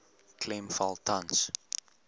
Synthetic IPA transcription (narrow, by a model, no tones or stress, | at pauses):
klɛmfalˠtʰãns